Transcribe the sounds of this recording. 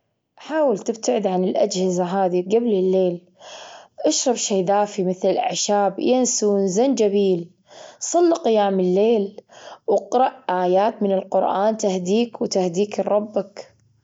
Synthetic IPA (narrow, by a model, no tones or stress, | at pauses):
ʔaħaːwɪlt̪ɪbt̪aʕɪd̪ʕanɪlʔad͡ʒhɪzaɦaːðiɡablɪlːeːl | ʔaʃɾˤɑbʃeːðaːfimɪθlɪlʔa̰ʕʃaːbjansunzand͡ʒabiːl | sˤɑlːqɪjaːmɪlːeːlwɑqɾˤɑʔʔaːjaːt̪mɪnɪlqʊɾʔaːnt̪ahd̪iːkwt̪ahd̪iːkrˤːɑbːak